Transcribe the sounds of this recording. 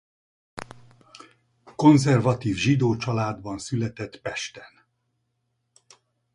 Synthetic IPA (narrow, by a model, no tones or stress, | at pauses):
ko̞nzɛrvɒt̪iːvʒid̪oːt͡ʃɒlaːd̪bɒnsylɛt̪ɛt̪pɛʃt̪ɛn